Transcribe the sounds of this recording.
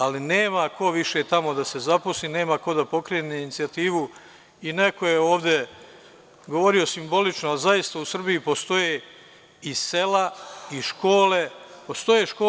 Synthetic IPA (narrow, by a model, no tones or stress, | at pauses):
alineːmako̞ʋiʃe̞ːt̪amo̞d̪ase̞zaposliːne̞ːmako̞d̪apo̞kɾeːneinit̪siat̪iːʋu | ine̞ko̞jeo̞ːʋd̪e̞ | ɡoʋo̞ɾio̞simbo̞lit͡ʃnoalzajist̪ausr̩biipo̞st̪o̞jeː | ise̞laiʃko̞ːle̞po̞st̪o̞jeʃkoː